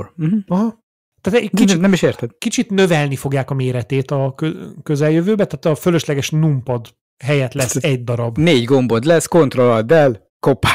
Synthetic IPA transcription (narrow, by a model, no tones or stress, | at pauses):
m̩m̩ɒɦɒ | t̪aːt̪ɛkinɛmiʃeːrt̪ɛd̪kit͡ʃit̪nø̞vɛlnifo̞ɡjaːkɒmeːɾɛt̪eːt̪ɒkøkøzɛljøvøːbɛt̪aːt̪ɒføløʃlɛɡɛʃnumpɒd̪ | ɦɛjɛt̪lɛɛsːɛɟ̚d̪ɒɾɒbneːɟɡo̞mbo̞d̪lɛsko̞nt̪rolɒd̪ɛl | kopa